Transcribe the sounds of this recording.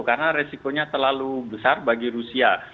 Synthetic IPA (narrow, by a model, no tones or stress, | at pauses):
karənaɾesikoɲat̪ərlalubəsarbaɡiɾusia